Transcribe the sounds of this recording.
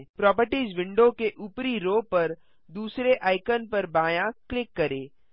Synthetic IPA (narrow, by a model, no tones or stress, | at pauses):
pɾɔːp̬əɾʈiːzʋɪ̃ɳɖokeʔuːpɾiɾoːpɐɾ | d̪uːsɾeʔaːɪkənpɐɾbaːjãklɪkːɐɾẽː